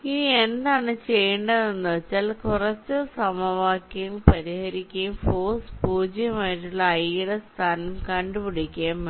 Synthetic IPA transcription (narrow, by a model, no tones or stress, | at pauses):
iniend̪aːɳɨt͡ɕejːɐɳɖɐðenːɨt͡ɕɐlkurɐt͡ɕːɨsɐmɐʋaːkːɐjɐɭpɐɾihɐɾikʲːɐjumfoːspuːd͡ʑjɐmaːjiʈːuɭːɐɐjiɽest̪ʰaːnɐmkɐɳɖɨpiɽikʲːaːm